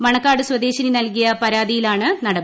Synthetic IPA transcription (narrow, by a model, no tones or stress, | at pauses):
mɐɳɐkːaːɽɨswɐd̪e̞ːɕɐninɐlkijɐpɐɾaːd̪ijilaːɳɨnɐɽɐp